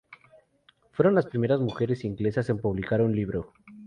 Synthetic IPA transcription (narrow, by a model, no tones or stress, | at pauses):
fwe̞ɾonlaspɾime̞ɾazmuxe̞ɾe̞siŋɡle̞sase̞mpuβ̞likaɾunliβɾo̞